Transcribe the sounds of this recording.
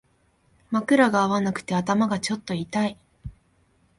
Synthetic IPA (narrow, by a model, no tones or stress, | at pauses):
makɯ̟ɾaɡaːβanakɯ̟̥t̪e̞at̪amaɡat͡ɕo̞t̪ːo̞it̪ai